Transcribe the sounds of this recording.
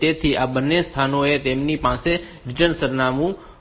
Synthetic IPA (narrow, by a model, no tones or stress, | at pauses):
t̪et̪ʰiʔabənːest̪ʰanoet̪emnipãse | ɾɪʈənsəɾnamũ